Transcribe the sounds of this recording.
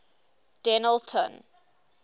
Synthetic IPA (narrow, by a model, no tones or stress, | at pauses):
d̥ɛnəltʰə̰̃n